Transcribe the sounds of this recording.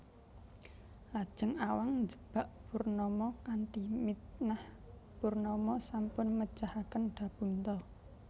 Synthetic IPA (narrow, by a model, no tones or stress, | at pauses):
lad̥ʒ̥əŋawaŋnd͡ʒəb̥a̤ʔb̥urnɔmɔkaɳʈimit̪nah | b̥urnɔmɔsampʊnmə̥d͡ʒahakənɖ̥ä̤b̥ṳnt̪ɔ